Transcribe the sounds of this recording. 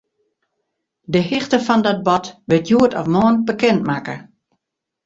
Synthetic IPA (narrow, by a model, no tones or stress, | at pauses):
dəhɪxtəfɔndɔt̚bɔtʋɪtjuətʰɔfmɔːnbəkɛnt̚makə